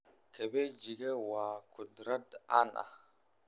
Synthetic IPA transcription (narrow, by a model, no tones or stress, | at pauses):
kʰebed͡ʒiɡewakʰudɾada̰na̰